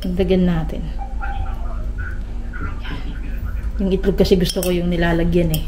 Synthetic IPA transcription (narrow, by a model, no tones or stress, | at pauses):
pɐɡ̚d̪ɐɡɐnːaːt̪ɪ̰n | jʊŋʔɪt̪lʊb̚kɐsɛɡʊst̪oko̞jʊŋnɪlaːlɐɡjanɛ